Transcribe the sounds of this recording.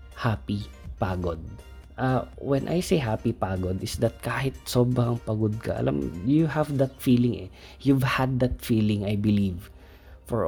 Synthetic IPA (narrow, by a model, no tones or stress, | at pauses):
hapipaːɡod̪̚ | ʔawɛnʔa̰jsejɦaːpipaːɡod̪ɪsd̪ɐt̪̚kaːhɪt̪̚soːbɾɐŋpɐɡod̪̚kɐ̰ʔɐ̰lʔa̰mjuhavd̪ɐt̪̚fiːlɪŋʔɛ̰ | juvhɐd̪̚ːat̪̚fiːlɪ̃ŋɐjbɪliv | fɔɹ